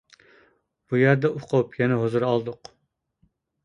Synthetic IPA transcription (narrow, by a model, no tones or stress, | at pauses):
b̥ujæɾd̪ɛʔʊqʰopjɛnɛɦozuɾɑlˠd̪ʊq